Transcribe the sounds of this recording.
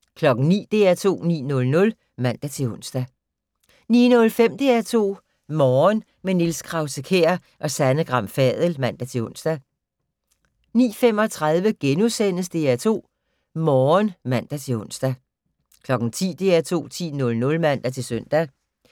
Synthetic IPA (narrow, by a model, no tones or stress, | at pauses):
kʰlɒ̽ɡ̥n̩nḭːd̥e̝̰ːæt͡sʰo̝̰ːnḭːnɔ̽lnɔ̽l | mæn̰d̥æt͡sʰe̝lɔ̽n̰sd̥æ | nḭːnɔ̽lfem̰d̥e̝æt͡sʰo̝̰ː | mɒːn | menilsɡ̥ʰʁɑ̈ʊsəkʰḛːɐ | ʔɒ̽sænəɡ̥ʁɑ̈m̰fɛð̞ˠəlmæn̰d̥æt͡sʰe̝ɔ̽n̰sd̥æ | nḭːfem̰ɒ̽t͡sʰʁað̞ˠʋəɡ̥enusen̰əsd̥e̝ːæt͡sʰo̝̰ː | mɒːnmæn̰d̥æt͡sʰe̝ɔ̽n̰sd̥æ | kʰlɒ̽ɡ̥n̩t͡sʰḭːd̥e̝æt͡sʰo̝̰ːt͡sʰḭːnɔ̽lnɔ̽lmæn̰d̥æt͡sʰe̝lsœn̰d̥æ